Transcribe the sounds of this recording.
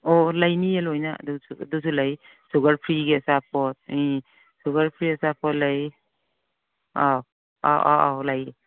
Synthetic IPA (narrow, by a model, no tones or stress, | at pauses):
ɔlajnielɔjna̰dusuduws̬ulaj | suɡaɾpʰɾiɡeasapʰɔt̚i | suɡaɾpʰɾiasapʰɔt̚laj | aw | a̰ʔa̰ʔa̰wlaje